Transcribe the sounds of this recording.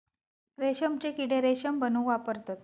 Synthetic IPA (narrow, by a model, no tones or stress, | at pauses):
ɾeɕəmt͡ɕekiɽeɾeɕəmbənũːʋapəɾt̪at̪